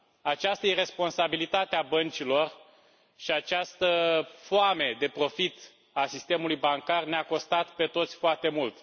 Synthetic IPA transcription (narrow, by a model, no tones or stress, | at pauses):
at͡ʃast̪əire̞spo̞nsabilit̪at̪eabənt͡ʃilo̞r | ʃiat͡ʃast̪əfoame̞d̪e̞pɾo̞fit̪ | asist̪e̞mulujbaŋkarneako̞st̪at̪pe̞t̪o̞t̪sʲfoart̪e̞mult̪